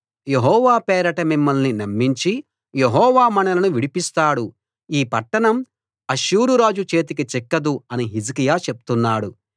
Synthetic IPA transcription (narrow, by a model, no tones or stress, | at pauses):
je̞ɦɔːʋaːpɛːɾɐʈɐmimːɐlninɐmːiɲt͡ʃi | jeɦɔːʋaːmɐnɐlɐnuʋiɽipist̪aːɽu | iːpɐʈːɐɳɐm | ɐʃuːɾuɾaːd͡ʒut͡ʃe̞ːt̪̬ikit͡ʃɛkːɐd̪uɐniɦid͡ʒikijaːt͡ʃe̞p̚u̥t̪unːaːɽu